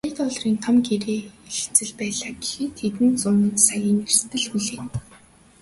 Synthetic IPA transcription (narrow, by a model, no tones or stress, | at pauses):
ajt̪ɔɮriːnt̪ʰɔmɡeɾeːeɮt͡sɘ̆ɮpæːɮaːɡexeːt̪ʰːet̪ɘ̆nt͡sʊn̆nsajiːŋer̥t̪ʰɘ̆ɮxuɮeːn